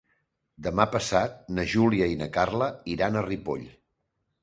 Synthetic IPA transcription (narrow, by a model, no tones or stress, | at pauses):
d̪əmapəsat̪̚nəʒuliəinəkarləiɾanəripo̰ʎ